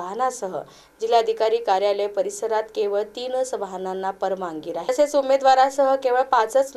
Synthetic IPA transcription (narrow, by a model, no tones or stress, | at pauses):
ɦnasəɦə̰ | d͡ʑilaəd̪ʱikaɾiːkaɾjalepəɾisəɾat̪keʋəɭt̪iːnsəʋaɦananːapəɾmaŋɡiːɾaɦeset͡sumed̪ʋaɾasəɦəkeʋəɭpat͡sət͡sl